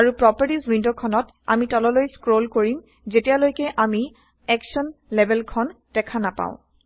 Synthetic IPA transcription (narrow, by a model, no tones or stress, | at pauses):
aɹupɹɔpaɹtizwindokʰɔnɔt | a̰mitɔlɔlojskɹolkoɹim | zetijalojkɛʔami | ɛksɔnlebʱɛlkʰɔnd̥ɛkʰanapã̰ʊ̃